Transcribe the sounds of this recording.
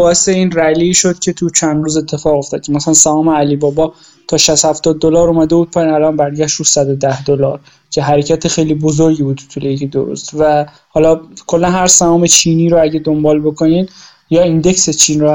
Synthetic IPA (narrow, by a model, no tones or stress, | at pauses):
bɒːeseiːnɾæliːʃod̪̥̚cʰe̞t̪ʰut͡ʃʰænd̪ɾuːzet̪ʰːe̞fɒːɣo̞ft̪ɒːd̪̥̚cʰemæsælænsæɒːmeælibɒːbɒː | t̪ʰɒːʃæst̪hæft̪ɒːd̪̚ːolɒːɾomæd̪ebuːd̪̚pʰɒjinælɒnbæɾɟæʃt̪usæd̪od̪æhd̪olɒːɾ | cʰe̞ɦæɾecʰæt̪ʰexejliːbozoɾɟiːbuːd̪ʰu̥t̪ʰulejecʰid̪o̰ɾo̰st̪væ | hɒːlɒkʰolːænhæɾsæɒːmet͡ʃʰiːniːɾoæɟed̪o̞mbɒːlbo̞kʰo̞niːd̪ | jɒːind̪e̞kset͡ʃʰiːnɾo